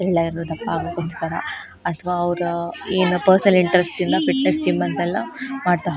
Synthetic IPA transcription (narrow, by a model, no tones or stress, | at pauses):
ɾɛɭːɐjiɾɾoːd̪ɐpːaːɡukoskɐɾɐ̰ | ɐt̪ʰʋaːɐʋɾɐeːnupɐɾsnɐliɳʈɐɾesʈ̪ind̪ɐfiʈnesʈimbɐnt̪ɛlːɐmaːɖt̪aɦ